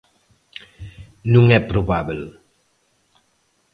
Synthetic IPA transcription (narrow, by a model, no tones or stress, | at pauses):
nũŋɛpɾoβabel